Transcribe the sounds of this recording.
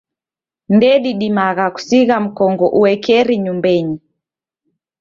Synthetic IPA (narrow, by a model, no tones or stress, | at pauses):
ndɛɗiɗimaɣaku̥siɣam̩kɔŋɡɔʔuɛkɛɾiɲumbɛɲi